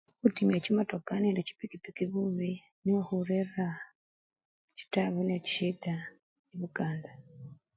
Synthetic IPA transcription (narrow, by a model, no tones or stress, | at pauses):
utimjecimatokaneːndeci̥pikipikiβuːβi | niwahuɾerːa | ci̥taβunecida | iβuɡaːnda